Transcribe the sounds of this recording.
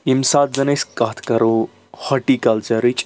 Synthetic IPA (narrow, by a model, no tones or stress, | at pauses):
imsat̪̚zɐneskat̪ʰkɐɾo | hɔʈikɐlt͡ʃɐɾit͡ʃʼ